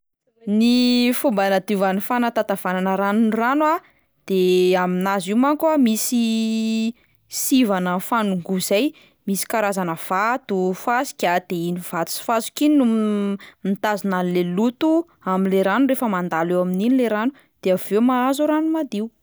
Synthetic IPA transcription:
nifumbanad̪ivanifanat̪at̪av̥ananəɾanunranwa | d̪̥eaminaziwmaŋkwamisi | sivanəfanuŋɡuz̥aj | misi̥kaɾazanəv̥at̪ufasi̥kʲad̪̥einiv̥at̪u̥si̥fazi̥kinu | mit̪azinanilelut̪u | aminleɾanuɾefəmand̪alewamininileɾanu | d̪̥eavewmaazuɾanumad̪iu

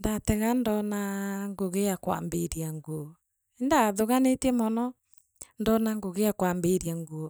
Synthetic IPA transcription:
ndateɣandɔnaŋɡoɣejakwa̰mbeɾiaŋɡoɔ | endaðoɣanetiɛmɔnɔ | ndɔnaŋɡoɣeakwambeɾiaŋɡoɔ

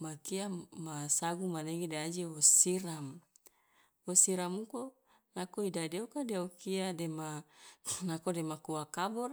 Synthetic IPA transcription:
makiamasaɡumaneɡidead͡ʒiosiɾam | wosiɾamuko | nakoidadeokadeokiadema | nakodemakuwakabɔr

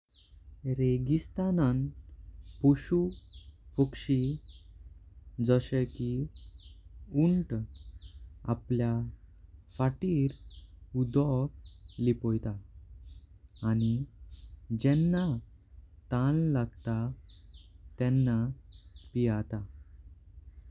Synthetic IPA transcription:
ɾeɡist̪anan | puɕufukʂi | d͡zəɕəki | uɳʈ | a̰plja | faʈiːɾud̪ɔk̚lipɔjt̪a | ñi | d͡ʑɛnːa | t̪allaɡt̪a | t̪ɛ̃nːapijat̪a

